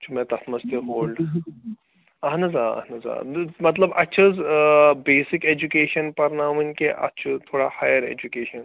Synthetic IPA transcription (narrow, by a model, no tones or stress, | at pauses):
t͡ʃʰumɛ̃t̪ɐt̪ʰmɐst̪iɦoːlɖ | ɐɦnɐzaːɐ̰hnɐza̰ːmɐt̪lɐbɐtːʃʰəzbeːsikeːd͡ʒukeːʃɐnpɐɾnaːʋɐnʲkeʔɐ̰tːt͡ʃʰut̪ʰoːɽahaːjɐɾḛːd͡ʒukeːʃɐn